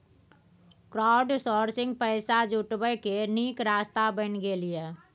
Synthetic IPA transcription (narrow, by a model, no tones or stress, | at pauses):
kɾaːʊɖsɔːɾsɪ̃ŋɡ̚pəːsad͡ʒʊʈbəjkeniːkɾaːst̪abənɡelieː